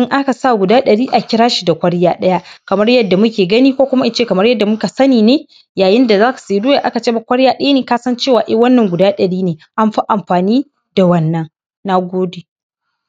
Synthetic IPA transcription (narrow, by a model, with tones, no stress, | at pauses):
ɪ˦ŋʔa˦ka˨sa˦˨ɡʷʊ˨daː˦ɗɐ˨ɽiː˦ʔa˨kʲɪ˦ɾaː˦ʃi˨da˨kʷɐ˦ɽjaː˦ɗɐ˦ja˦kɐ˨mɐ˦rjɐ˦dːa˨mʊ˦kʲeː˨ɡɐ˦niː˦kʷoː˦kʷʊ˦ma˦ʔɪ˨t͡ʃeː˦˨kɐ˨mɐ˦rjɐ˦dːa˨mʊ˦ka˨sɐ˦niː˨neː˦ | jaː˨jɪ˦nda˨zaː˦ka˨seː˨˦du˦ja˨ʔa˦ka˨t͡ʃeː˦˨ba˨kʷɐ˦ɽjaː˦ɗɐ˦ja˦neː˨kaː˦sɐ˦nt͡ʃeː˦˨waː˨ʔɪ˦wɐ˦nːɐ˨ŋɡʷʊ˨daː˦ɗɐ˨ɽiː˦neː˨ʔa˦mɸa˦ʔa˨mɸaː˨niː˦ | da˨wɐ˦nːɐ˨ŋ | na˦ɡʷoː˦de˨